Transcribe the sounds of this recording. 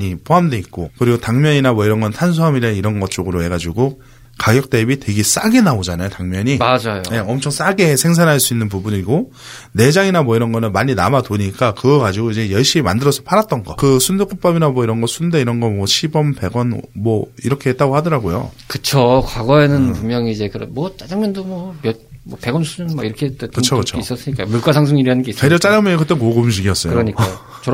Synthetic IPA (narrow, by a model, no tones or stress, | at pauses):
ɲipoɦamde̞ik̚k͈okɯɾiɡotaŋmjʌɲinamwʌiɾʌnɡʌnntʰans̬ʰuɦamiɾeiɾʌnɡʌt͡ɕ͈oɡɯɾohe̞ɡad͡ʑiɡo | kaɡjʌk̚t͈e̞bite̞ɡes͈aɡe̞naod͡ʑanajotaŋmjʌɲiad͡ʑajoje̞ʌmt͡ɕʰʌŋs͈aɡe̞sʰe̞ŋs̬ʰanɦaɭs͈uinːɯnpubuɲiɡo | ne̞d͡ʑaŋinamwʌiɾʌnɡʌnɯnmaɲina̰matoɲik͈akɯɡʌɡad͡ʑiɡoid͡ʑe̞jʌɭɕ͈imimandɯɾʌsʰʌpʰaɾat̚t͈ʌnɡʌkɯsʰundek͈up͈ʌbinamwʌiɾʌnɡʌsʰundeiɾʌnɡʌmwʌɕʰibʌmpe̞ɡwʌnmwʌiɾʌkʰe̞ɦet͈aɡohadʌɾaɡojo̰kɯt͡ɕʰokwaɡʌenɯnpummjʌŋiːd͡ʑe̞kɯɾʌ̰mwʌt͡ɕ͈ad͡ʑaŋmjʌndomwʌmjʌ | mʌpe̞ɡʌnsʰuɯnmʌ̰iɾʌkʰet͈kɯt͡ɕʰokɯt͡ɕʰois͈ʌs͈ɯɲik͈amuɭk͈asʰaŋs̬ʰoŋiɾianɯnɡeis͈eɾʌt͡ɕ͈ad͡ʑaŋmjʌnkɯt͈enkoɡoɕ̬ʰiɡiʌs͈ʌjoɾʌɲika | t͡ɕ